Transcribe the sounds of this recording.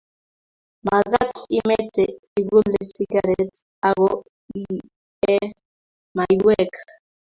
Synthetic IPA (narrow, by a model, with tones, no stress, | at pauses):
ma˨ɣa˦ki˦mɛ˦tɛ˨ | i˨ɣu˦lɛ˨si˦ɡaɾɛt | a˨ɣɔ˦ | i | ɛ˦ | ma˨iwɛ˦kḁ